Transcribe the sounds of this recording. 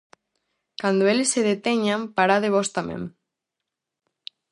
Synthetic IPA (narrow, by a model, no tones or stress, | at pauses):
kand̪oelesːeðet̪eɲampaɾaðeβɔst̪amḛ̃m